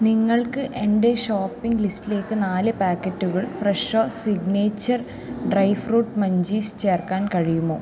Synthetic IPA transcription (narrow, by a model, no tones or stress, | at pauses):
niŋːɐɭkɨʔende̞ʂoːpːiŋɡlistile̞ːkːɨnaːlɨpaːkːɐtːuɣɐɭfreʂoːsiɡneːt͡ɕːɐr | ɖrɐjʋruːʈmɐɲd͡ʑiːst͡ɕe̞ːrkaːnkɐɻijumːo̞ː